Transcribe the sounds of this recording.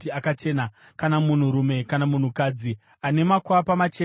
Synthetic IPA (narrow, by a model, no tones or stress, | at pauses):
tiakat͡ʃe̞ːna | kanamun̤uɾume̞kanamun̤ukaːd͡zi | ane̞makwapamat͡ʃe̞